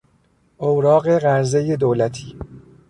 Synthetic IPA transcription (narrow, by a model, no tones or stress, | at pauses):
ʔowɾɒːɣeɣæɾzejed̪oːlæt̪ʰiː